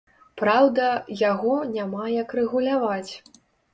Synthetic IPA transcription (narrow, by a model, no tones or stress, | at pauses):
pɾawd̪ɐjaɣɔnʲamajɐkrɛɣulʲavat͡sʲ